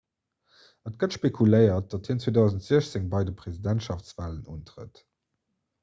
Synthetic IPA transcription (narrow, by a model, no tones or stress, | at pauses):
ət̚ɡ̥ətʃpekʰuləɪɐt̚d̥ɑthiːənt͡sweːdɑʊzən̩tz̥iəɕt͡seŋbɑɪdəpʰʁ̥ezidæntʃɑftt͡svaːlənuːntʁə̰t